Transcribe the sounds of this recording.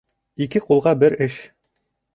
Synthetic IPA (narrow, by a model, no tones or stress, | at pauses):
ikɘqulˠʁɑbɘɾɘʃ